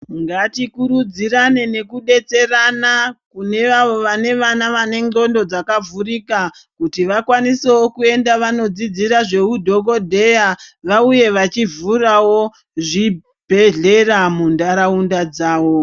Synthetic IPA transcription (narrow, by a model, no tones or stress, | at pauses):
ŋɡatikuɾud͡ziɾane̞ne̞kuɗe̞t͡se̞ranakune̞ʋaʋo̞ʋane̞ʋanaʋane̞ŋɡo̞ndo̞d͡zakavurikakutiʋakwanisewo̞kue̞ndaʋano̞d͡zid͡ziɾaʐe̞udʱo̞ɡo̞dʱe̞jaʋauje̞ʋat͡ʃivurawo̞ | ʐi | bʱe̞ɮe̞ramundaɾaundad͡zaːwo̞